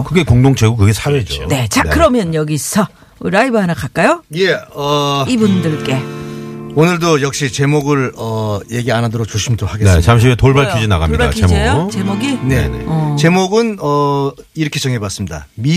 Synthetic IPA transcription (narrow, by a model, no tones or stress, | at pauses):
kɯɡe̞koŋdoŋt͡ɕeɡokɯɡe̞sʰaɾeed͡ʑuoone̞t͡ɕakɯɾʌmjʌnjʌɡisʰʌ | ɾaibɯɦanak͈ak͈ajoje̞ʌibundɯɭk͈e̞ | onɯɭdojʌk̚ɕ͈it͡ɕe̞moɡɯɭʌje̞ɡianɦadoɾok̚t͡ɕoɕʰimtohaɡeneamɕ̬ʰietoɭbaɭkʰud͡ʑina̰ɣa̰mɲḭaa̰t͡ɕemoɡjot͡ɕemoɡine̞nḛʌt͡ɕe̞moɡɯnʌ | iɾʌkʰe̞t͡ɕʌŋɦebas͈ɯmɲida̰mi